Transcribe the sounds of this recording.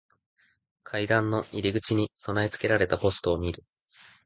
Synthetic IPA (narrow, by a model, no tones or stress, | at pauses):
kʰaid̪ãnːo̞ʔiɾʲiɡɯ̟t͡ɕiɲ̟iso̞nait͡sɨ̥ke̞ɾaɾe̞t̪apo̞sɨ̥t̪o̞ːmʲiɾɯ̟